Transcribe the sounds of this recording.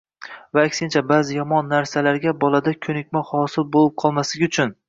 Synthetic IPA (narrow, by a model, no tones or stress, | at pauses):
vaːkʲsɪnt͡ʃʰabaːzɪjɒmɒnːaɾsalaɾɡʲabɒlˠad̪akʲʰɵnɪkʲmahɒsɪlbolɪp̚qʰɒlˠmaslɪɡʲɪʊt͡ʃʰʊn